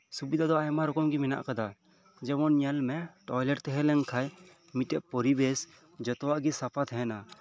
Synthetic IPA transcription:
subid̪ʱad̪ɔajmaɾɔkɔmɡimina̰ʔkad̪a | d͡ʒɛmɔnɲalmɛʈɔjlɛɾt̪ɛɦɛlɛŋkʰaj | miʈɛʔpɔɾibɛs | d͡ʒɔt̪ɔwaʔɡisapʰat̪ʰɛɦɛna

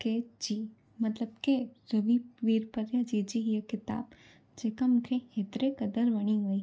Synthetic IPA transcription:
ked͡ʒi | mɐt̪ləbkeɾəʋiʋiɾpəɾjad͡ʒid͡ʒiɦjəkɪt̪a̰ːb | d͡ʒeːkamʊ̃kʰẽeːt̪ɾekəd̪əɾʋɐɽ̃iɡoiː

